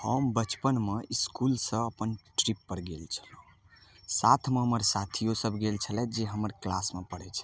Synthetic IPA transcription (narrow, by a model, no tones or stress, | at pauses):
həmbət͡ʃpənmeʔiskulsə̃əpənʈɾipːəɾɡelt͡ʃʰə̥lũ | sat̪ʰmeɦəməɾsat̪ʰijosəbʱɡelt͡ʃʰəlɛd͡ʒeɦəməɾklasmepəɽɛt͡ʃʰə